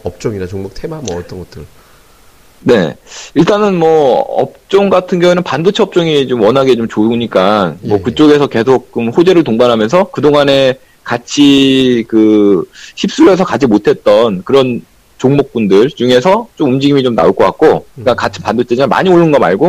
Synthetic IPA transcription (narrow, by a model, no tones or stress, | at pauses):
ʌp̚t͡ɕ͈ʌŋiɾat͡ɕoŋmok̚tʰemamʌʌt͈ʌnɡʌt͈ɯɾo | ne̞̰iɭt͈anɯnmʌʌ̰p̚t͡ɕ͈oŋɡatʰɯnɡjʌŋunɯnpandut͡ɕʰeʌp̚t͡ɕ͈ʌŋit͡ɕomwʌnɦaɡe̞t͡ɕomt͡ɕoɲik͈anmʌkɯt͡ɕ͈oɡe̞s̬ʰʌke̞sʰok̚t͡ɕ͈omɸod͡ʑe̞ɾɯɭtoŋbanɦamjʌns̬ʰʌkɯdoŋane̞ | kat͡ɕʰikɯ | çʰip̚s͈uɾes̬ʰʌkad͡ʑimotʰe̞t̚t͈ʌnkɯɾʌn | t͡ɕoŋmok̚p͈undɯɭt͡ɕuŋe̞sʰʌt͡ɕ͈omumd͡ʑiɡimit͡ɕomna̰uɭkʰok͈ak̚k͈ok͈akat͡ɕʰi̥pandut͡ɕʰed͡ʑiama̰ɲioɭːɯnɡʌma̰ɭɡo